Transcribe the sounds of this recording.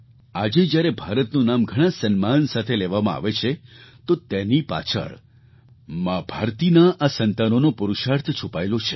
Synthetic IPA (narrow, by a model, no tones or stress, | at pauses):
ad͡ʒed͡ʒjaɾebʱaɾət̪nũnamɡʱəɽ̃ãsənmansat̪ʰeleʋamãa̰ʋet͡ʃʰet̪ot̪enipa̰t͡ʃʰə̰ɭ | mãbʱaɾt̪inaʔasənt̪anonopʊɾuʃaɾt̪ʰt͡ʃʰupaelot͡ʃʰe̥